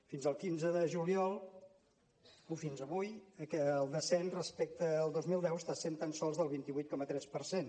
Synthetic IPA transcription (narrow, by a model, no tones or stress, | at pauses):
finzəlˠkinzəðəʒuliɔlˠ | ufinzəβujəkɛːlˠd̪əsɛnrəspɛk̚t̪əːlˠd̪ozmilˠd̪ɛwəst̪asent̪ansɔlˠzðəlˠβint̪iβujt̪̚kɔmət̪ɾɛspəɾsen